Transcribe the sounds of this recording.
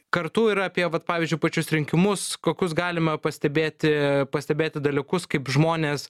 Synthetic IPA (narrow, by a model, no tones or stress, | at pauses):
kɐɾt̪uːiːɾɐɐpʲiɛʋɐt̪̚pɑːʋʲiːzʲd͡ʒʲʊɪpɐt͡ʃʲʊsɾʲɪŋʲkʲɪmʊskoːkʲʊsɡɑːlʲɪmɐpɐsʲt̪ʲɛbʲeːt̪ʲɪpɐsʲt̪ʲɛbʲeːt̪ʲɪd̪ɐlʲɪkʊskɐɪpʒmoːnʲeːs